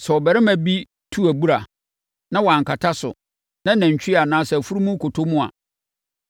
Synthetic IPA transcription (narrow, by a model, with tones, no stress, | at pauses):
sɛ˨ɔ˨bɛ˨ɾɛ˦mæ̃˨bi˦ | tʰu˦æ˨bu˦ɾa˨ | nã˦wã˨ŋ̩˨ka˨tʰa˦sʊ̰˨ | nã˦næ̃˨ɲ˨t͡ɕʰᶣi˦a˨nãː˨˦sɛ˨fu˦ɾu˦mũ˦kʰo˨tʰo˦mũ˦a̰˨